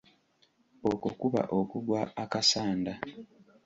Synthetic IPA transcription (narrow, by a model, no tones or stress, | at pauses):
okokuβa̰ʔokuɡwaakasaːnda